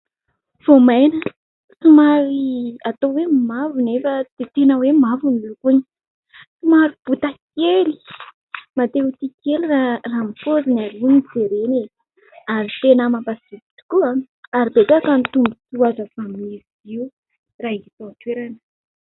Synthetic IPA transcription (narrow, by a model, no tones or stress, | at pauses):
v̥omajnə | sumaɾiat̪owemmavunefəd̪̥et̪enəwemavunilukuɲi̥ | sumaɾib̥ut̪akeli̥ | mat̪eut̪ikeliraramifozinaɾinid͡zeɾene | aɾit̪enəmapasivi̥t̪u̥kua | aɾibetakanit̪umbut͡suazəfamiz | iu | raiit̪ot̪weɾanə̥